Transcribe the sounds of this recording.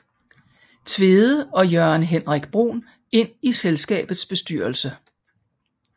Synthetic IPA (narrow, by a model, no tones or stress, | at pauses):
t͡sʰʋe̝ːðˠəɒ̽jœɐnɦenʁaɡ̥b̥ʁo̝̰ːn | e̝n̰iselsɡ̥ɛ̰ːb̥ð̩ˠsb̥e̝sd̥yɐlsə